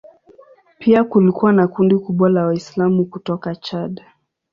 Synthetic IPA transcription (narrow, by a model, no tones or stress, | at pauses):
pʰiakulikuwanakundikuɓwalawaislamukutɔkat͡ʃaɗa